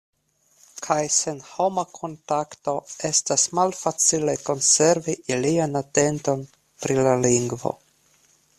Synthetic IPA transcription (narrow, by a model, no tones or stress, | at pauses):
kʰajse̞nho̞makʰo̞ntakto̞e̞stasmalfat͡sile̞ko̞nse̞ɾviʔilianate̞nto̞n | pɾilaliŋɡvo̞̰